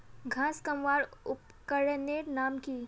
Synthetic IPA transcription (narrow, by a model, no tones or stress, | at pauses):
ɡʱãːskɐmʋaːɾʊp | kəɽneːʈnaːmkiː